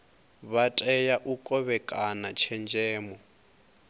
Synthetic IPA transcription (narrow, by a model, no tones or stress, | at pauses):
βatʼɛjaʔukʼɔβɛkʼanat͡ʃʰɛnd͡ʒɛːmɔ